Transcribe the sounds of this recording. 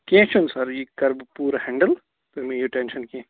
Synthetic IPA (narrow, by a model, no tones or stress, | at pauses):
kẽt͡ʃʰunsɐɾjiːkɐɾbpuːɾhɛ̃ːɳɖəl | pʰɪɾmẽjoʈẽːnʃənkiẽː